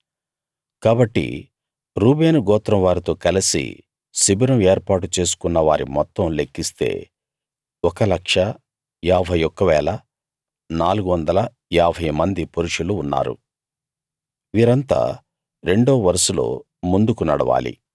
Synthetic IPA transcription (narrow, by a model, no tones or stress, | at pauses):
kaːbɐʈːḭ | ɾuːbe̞ːnɡɔːt̪ɾɐmʋaːɾit̪o̞ːkɐlisḭ | sibiɾɐeːɾpaːʈut͡ʃe̞ːsu̥kunːɐʋa̰ːɾḭmɔt̪ːɐmlekːist̪e̞̰ː | ɔkɐlɐkʂɐ | aːbʱɐjɔkːɐʋɛːlɐ | naːluɡuʋɐnd̪ɐlɐ | aːbʱɐjmɐnd̪ipoɾuʂuluːnːa̰ːɾṵ | ʋiːɾɐnt̪a̰ː | ɾe̞ɳɖoːʋɐɾɐsulo̰ː | mund̪ukunɐɽɐʋa̰ːlḭ